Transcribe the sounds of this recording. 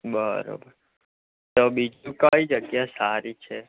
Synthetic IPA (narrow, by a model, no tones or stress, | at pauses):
bəɾo̰bəɾ | t̪obid͡ʒũkaid͡ʒəɡjasaɾit͡ʃʰe